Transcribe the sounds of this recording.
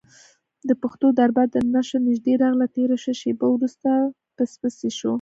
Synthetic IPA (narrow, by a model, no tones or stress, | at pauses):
d̪əpaxt̪od̪aɾbaənaʃanɪʒd̪eɾɑɣlat̪eɾaʃəʃebawɾust̪a | pəspəseʃo